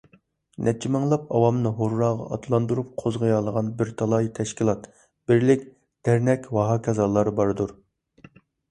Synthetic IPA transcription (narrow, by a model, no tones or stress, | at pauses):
nʔɛt͡ʃʰimɨŋlˠɑpɑ̰wɑmnɨɦoɾːɑːʁɑ̰ʔɑt̪ʰlˠɑnd̪uɾup̚qʰozʁəjɑlˠəʁɑnbɪɾt̪ʰɑlˠɑjit̪ʰɛʃkʲilˠɑt̪ | b̥ɪɾlɪkʲ | d̪̥æɾnɛkʲwɑɦɑkʰʲɛzɑlˠːɑɾbɑɾd̪uɾ